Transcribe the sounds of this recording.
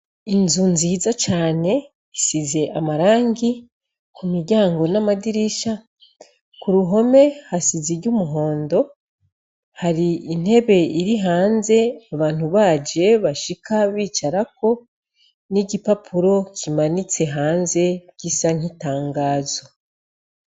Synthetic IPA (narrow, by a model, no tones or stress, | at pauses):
inzunziːzat͡ʃaːne̞ | isize̞ʔamaɾaːŋɡi | kumiɾɟaːŋɡo̞namadiɾiʃa | kuɾuɦo̞me̞hasiziɾɟumuɦo̞ːndo̞ | haɾiin̥he̞βe̞iɾiɦaːnze̞aβaːn̥huβaːd͡ʒe̞βaʃikʰaβiːt͡ʃaɾako̞ | niɟipapʰuɾo̞cʰimanit͡se̞ɦaːnze̞ɟ̥isaŋ̥itaːŋɡaːzo̞